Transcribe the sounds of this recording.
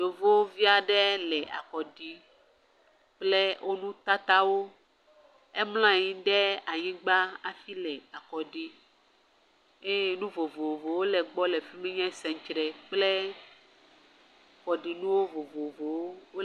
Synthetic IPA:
ɖo˨vo˦wvi˦a˨ɖɛ˦lɛ˨a̰˨kɔ˨ɖi˨ | k͡ple˦wʔo˦nũ˦t̪a˦t̪a˦wo˦ | e˦ml̃ã˦˨ɲĩ˦ɖɛ˦a˨ɲĩ˦ɡ͡ba˦a˨fi˦lɛ˨a˨kɔ˨ɖi˦ | e˦e˦˨nũ˦vo˨vo˨vo˨wo˦lɛ˨ɡ͡bɔ˦lɛ˨fi˦me˦ɲɛ̃˦sɛ˨ŋ˨˦t͡ʃɾɛ˨k͡ple˦ | ɸɔ˨ɖi˨nũ˦wo˦vo˨vo˨vo˨wo˦wo˦

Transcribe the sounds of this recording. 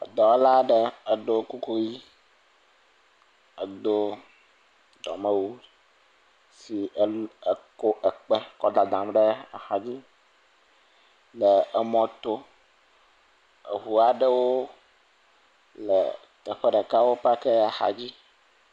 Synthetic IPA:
d̪ɔ˨˦la˦ɖe˦ə˨ɖo˨ku˦ku˦ji˦ | ə˨d̪o˦ | d̪ɔ̰˨mə˦wu˦ | si˨e˨ko˦ʔə˨k͡pe˦kɔ˦d̪a˨d̪ã˨mɖe˦a̰˨xa˨d͡ʑi˦ | lə˨ɛ˨mɔ̃˨t̪o˦ | ḛ˨ɦu˨a˨ɖə˦wo˦ | lə̰˨ | t̪ɛ˨ɸɛ˦ɖɛ˨ka˦wo˦pa˦ke˦a˨xa̰˨d͡ʑi˦

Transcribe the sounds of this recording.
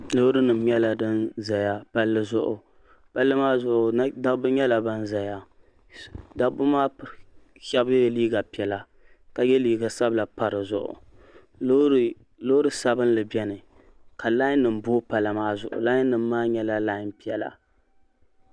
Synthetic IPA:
lo˦ɾɨ˦nɨ˨m˦ɲɛ˦la˨dɨ˦nza˨ja˦pa˦lːɨ˦zʊ˦ʔʊ̰˨ | pa˦lːɨ˦maː˦zʊ˦ʔʊ˨˦da˦bɨ˦ɲɛ˦la˨ba˦nza˨ja˦ | da˨bʊ˦maː˦ | ʃɛ˦bɛ˦liː˦ɡa˨pi˨ɛ˨la˨ | ka˨jɛ˦liː˦ɡa˨sa˦bla˨pa˨ɾɨ˨zʊ̰˨ʔʊ̰˨˦˨ | lo˦ɾɨ˨sa˦bɨ˦nlɨ˨bɛ˦nɨ˨ | ka˨la˦ɪ˦nːɨ˨m˦boː˦pa˨la˨maː˦zʊ̰˨ʔʊ̰˨la˦ɪ˦nːɨ˨mː˦aː˦ɲɛ˦la˦laː˦ɪ˦npi˨˦ɛ˨la̰˨

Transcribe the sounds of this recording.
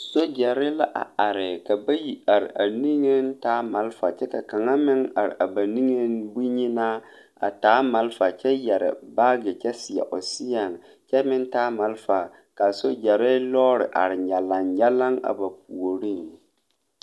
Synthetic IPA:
so˦d͡ʒɛ˨ɾɪ˦la˦ʔa̰˨a˨ɾɪ˨ka˨ba˦ji˨a˨ɾɪ̰˨ʔa˨ni˦ŋe˦n˦taː˦ma˨˦lfa̰˨t͡ʃɛ˦ka˨ka˨ŋa˦mɪ˦ŋa̰˨ɾɪ̰˨ʔa˨ba˨ni˦ŋe˦nbu˦ɲi˦na˦ | a̰˨taː˨˦ma˨˦lfa˨t͡ʃɛ˦jɛ˨ɾɪ̰˨baː˦ɡɪ˨t͡ʃɛ˦sɪ˨jɛ̰˨ʔo˨sɪ˦ja˨ŋ˨ | t͡ʃɛ˦mɪ˦ntaː˦ma˨˦lfa˨ | ka˨so˦d͡ʒɛ˨ɾɪ˦lɔː˦ɾɪ̰˨ʔa̰˨ɾɪ˨ɲa˨la˨ŋɲɛ˦la˦ŋa̰˨ba˨pu˨o˨ɾi˦˨ŋ

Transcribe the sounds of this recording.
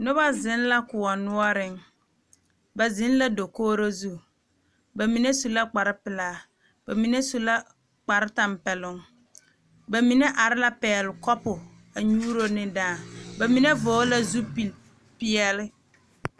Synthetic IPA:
nʊ˦ba˦zɪ˨˦nla˦kʊ˨ɔ˨nʊ˦ɔ˦ɾɪ˦ŋ | ba˨zɪ˨˦n˦la˦do˨koː˦ɾo˦zu˦˨ | ba˨mi˨ne˦su˨la˦k͡pa˨ɾɪ˦pɪ˨laː˦˨ | b̥a˨mi˨ne˦su˨la˦ | k͡pa˨ɾɪ˦ta˨mpɛ˨lʊ˦ŋ | ba˨mi˨˦ne˦ʔa˨ɾɪ˦la˦pɛː˨lɪ˨kɔ˦pʊ˨ | a˨ɲuː˦ɾo˦nɪ˦daː˦˨ba˨mi˨ne˦voː˨˦la˦zu˦pi˨l | pɪ˦ɛ˦lɪ˦

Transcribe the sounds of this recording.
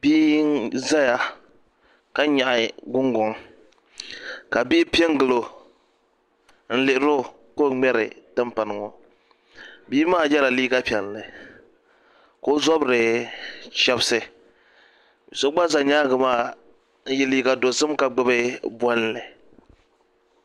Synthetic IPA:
biː˦za˦ja˨ | ka˦ɲa˨ʔɪ˨ɡʊ˦ŋɡɔ˨ŋ | ka˨biː˦pi˦ɛ˦ŋ˦ɡɨ˨lo˨ | n̩˦lɪ˨ʔɪ˦ɾo˦ | ko˦ŋ͡mɛ˦ɾɪ̰˨tɨ˦mpa˨nɨ˨ŋɔ˨ | biː˦maː˦˨jɛ˦la˨liː˦ɡa˦pi˨ɛ˨lːɨ˨ | ko˦zɔ˦bɾɨ˨ | ʃɛ˦bsɨ˨ | so˦ɡ͡ba˦za˨ɲaː˦ɡɨ˨maː˦ | n̩˦jɛ˦liː˦ɡa˨do˨zɨ˦mka˨ɡ͡bɨ˦bɨ˦bwɔ˦n˦lɨ˨

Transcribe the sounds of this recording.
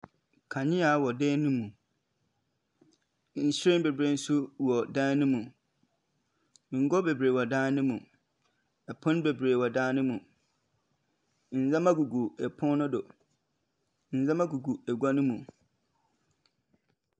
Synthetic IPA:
kʰa˨ɲɪ̃˦a˨˦wɔ˨deː˦nũ˦mũ˨˦ | n̩˨ɕi˦ɾe˦m˦be˨bɾe˨n̩˦sʊ˦wɔ˨dãː˦n˦nʊ̃˦mũ˨˦ | ŋ̩˨ɡɔ˦be˨bɾe˨wɔ˨dãː˦nnʊ̃˦mũ˨ | ɛ˨pʰɔ̃˦n˦be˨bɾeː˨wɔ˨dãː˦nʊ̃˦mũ˨ | n̩˨zã˦mã˦ɡu˨ɡu˨ɛ˨pʰʊ̃˦nʊ̃˦do˨ | n̩˨zã˦mã˦ɡu˨ɡu˨ɛ˨ɡʷa˦nʊ̃˦mũ˨

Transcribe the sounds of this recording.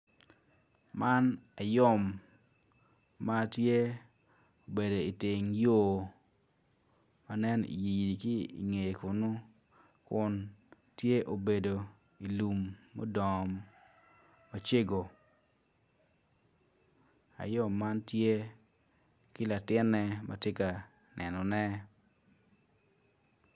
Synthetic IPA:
ma˦na˨jɔ˦˨m | a˦tje˦ | o˨be˨do˨i˨tɪ˨ŋjo˦˨ | ma˨nɛ˦nḭ˨ji˨ji˨di˨ki˦ḭ˨ŋe˨jkʊ˨nʊ˦ | kʊ˦n | tje˦ʔo˨be˨do˨ | i˨lu˨mːɔ̰˦dɔ˨m | a˦t͡ʃe˦ɡo˨ | a̰˨jɔ˦˨ma˦ntje˦ | kɪ˦la˨tɪ˦nːɛ˦mʔa̰tje˦ka˨ | nʔɛ˨nɔ˨nɛ˦

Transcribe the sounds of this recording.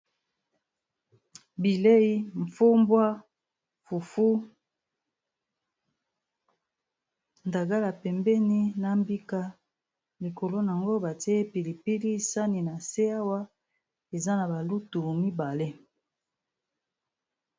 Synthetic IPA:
bi˨le˦i˦ɱ˨fu˦mbwa˦ | fu˨fu˦ | nda˨ɡa˦la˨pɛ˨mbɛ˦ni˦na˨mbi˦ka˦ | li˨ko˨lo˦n˨a˨ŋɡo˦ba˨te˦e˦pi˨li˨pi˦li˦sa˦ni˨na˨se˦a˦wa˦ | e˨za˦na˨ba˨lu˦tu˨mi˦ba˨le˦

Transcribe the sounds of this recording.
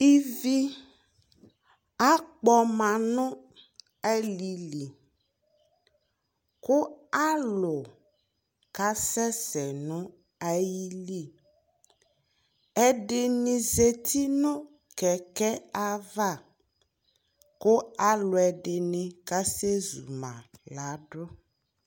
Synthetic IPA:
i˦vi˦ | a˦k͡pɔ˦mã˨nʊ̃˦ | ɛ˦li˨li˨ | kʊ˦a˦lʊ˨ | ka˦sɛ˦sɛ˨nʊ̃˦ | a˦ji˦li˦˨ | ɛ˨ɖɪ˨nĩ˨ze˨t̪ʰi˦nʊ̃˦ | kɛ˨kɛ˦a˦va˦˨ | kʊ˦a˦lʊ˨ɛ˨ɖɪ˨nɪ̃˨ka˦se˦zṵ˨mã̰˨la˨˦ɖʊ˦

